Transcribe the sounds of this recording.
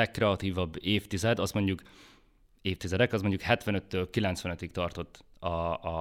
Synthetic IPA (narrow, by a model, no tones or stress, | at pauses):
ɛkːrɛɒt̪iːvɒbːeːft̪izɛd̪ɒst̪mo̞ɲɟuk | eːft̪izɛd̪ɛkɒsmo̞ɲɟukhɛt̪ʋɛnøt̪ːøːlkilɛnt̪sʋɛnøt̪ikt̪ɒrt̪o̞t̪ːɒ